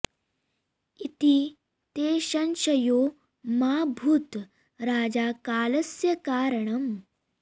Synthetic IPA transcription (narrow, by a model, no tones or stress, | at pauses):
it̪i | t̪eːʃɐnʃɐjoː | maːbʱuːt̪ | ɾaːd͡ʒaːkaːlɐsjɐkaːɾɐɳɐm